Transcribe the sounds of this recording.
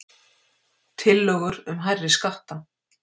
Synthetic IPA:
t̪ʰɪlːœːɣʏɾʏmɦajrːɪskaht̪a

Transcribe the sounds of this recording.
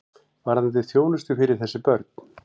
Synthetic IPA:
vaɾhaðnt̪ɪθjoːwnʏst̪ʏfɪɾɪɾ̥θɛsːɪpœɾt̪n̥

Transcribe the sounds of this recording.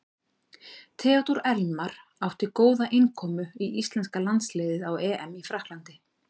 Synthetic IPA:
t̪ʰɛːɔt̪uɾɛlmaɾ̥ | awht̪ɪkoːwðaʔɪnkʰɔːmʏiʔist̪lɛnskalant̪sleːjðɪðawɛːʔɛmifɾahk̪lant̪ɪ

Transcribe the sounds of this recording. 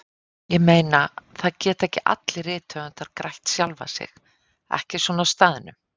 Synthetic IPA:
jɛɣmeːjnaθaðcɛːt̪ɛhcɪʔa̰t̪lɪrɪːt̪ʰœʏnt̪aðkɾajht̪sjalva̰sɪ̰x | ɛ̰hcɪsvɔːnast̪aːðɪnʏ

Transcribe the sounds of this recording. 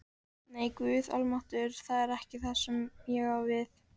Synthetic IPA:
neːjkvʏːðɔ̰lmaht̪ʏɾ̥θaðɛɾɛhcɪθaðsɛmjɛɣawvɪθ

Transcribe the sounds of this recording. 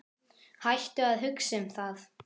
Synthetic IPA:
hajht̪ʏaðɦʏksɪmθaθ

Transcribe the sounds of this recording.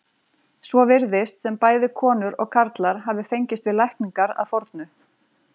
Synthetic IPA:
svɔvɪɾðɪst̪sɛmpaːjðɪkʰɔːnʏɾɔ̰ɣkʰaɾt̪laɾɦavðɪfejɲcɪst̪vɪðlajhkniŋkaɾa̰ðfɔɾt̪nʏ

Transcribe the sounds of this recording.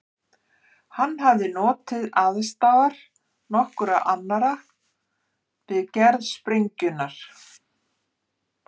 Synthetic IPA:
hanːɦavðɪnɔːt̪ɪðaðst̪awɣaɾ̥ | nɔhkʏɾaʔanːaɾa | vɪðcɛɾðspɾeɲcʏnaɾ̥

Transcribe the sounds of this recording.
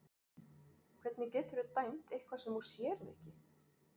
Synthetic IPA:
kʰvɛt̪nɪcɛːt̪ʏɾʏt̪ajn̥t̪ejhkʰvḁsɛmvuɾ̥sjɛːɾɪðḛhcɪ

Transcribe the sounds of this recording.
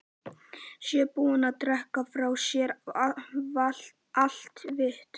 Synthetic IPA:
sjɛpuːanaðt̪ɾɛhkafɾaːwsjɛɾ | a | al̥t̪vɪht̪

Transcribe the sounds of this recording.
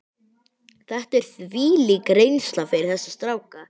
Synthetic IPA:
θɛht̪ɛɾ̥θviːlɪkɾejnst̪lafɪɾɪɾ̥θɛsːḁst̪ɾaːwka

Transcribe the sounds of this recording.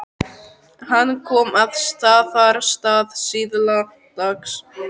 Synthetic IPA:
hanːkʰɔːmaðst̪aːðaɾst̪aːðsiːðla | t̪aks

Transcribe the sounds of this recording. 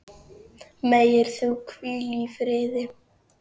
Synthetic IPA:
meːjɪɾ̥θukʰvyːlifɾɪːðɪ

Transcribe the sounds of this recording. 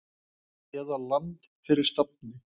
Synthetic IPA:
ɛːðalant̪fɪɾɪɾ̥st̪ap̚nɪ

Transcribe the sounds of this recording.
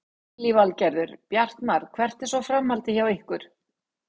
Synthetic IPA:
livalcɛɾðʏɾ̥pjar̥t̪naɾ̥kʰvɛr̥t̪ɛ̥sɔfɾamhalt̪ɪçawɪhkʏɾ̥

